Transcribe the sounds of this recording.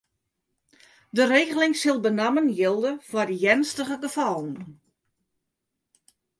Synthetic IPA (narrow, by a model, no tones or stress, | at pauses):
dəreːɣəlɪŋsɪlˠbənamənjɪlˠdəfwɔdijɛnstəɣəɡəfɔlˠn̩